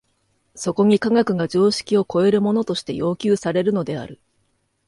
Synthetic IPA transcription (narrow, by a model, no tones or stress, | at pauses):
so̞ko̞ɲ̟ikaɡakɯ̟ɡad͡ʑo̞ːɕi̥kʲio̞ko̞e̞ɾɯ̟mo̞no̞t̪o̞ɕi̥t̪e̞̰jo̞ːkʲɨːsaɾe̞ɾɯ̟no̞d̪e̞a̰ɾɯ̟